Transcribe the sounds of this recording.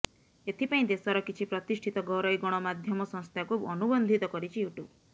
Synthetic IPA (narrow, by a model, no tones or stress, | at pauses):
et̪ʰipaĩd̪esɔɾɔkit͡ʃʰipɾɔt̪iʃʈʰit̪ɔɡɔɾɔjɡɔɽ̃ɔmad̪ʱjɔmɔsɔŋst̪ʰakʰubɔnubɔnd̪ʱit̪ɔkɔɾit͡ʃʰiuʈu